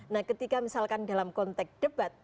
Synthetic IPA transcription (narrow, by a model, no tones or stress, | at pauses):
nahkət̪ikamisalkanda̤lamkɔnt̪ɛksd̥əb̥at̪̚